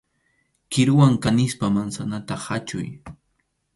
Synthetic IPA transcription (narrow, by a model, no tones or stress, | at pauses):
kɪɾʊwaŋkanɪspamansanat̪aχat͡ʃʊ̰j